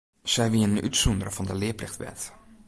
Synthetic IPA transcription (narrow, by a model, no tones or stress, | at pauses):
sɛjʋiənəny̰tsundərəvɑndəlɪːplɪxtʋɛ̰t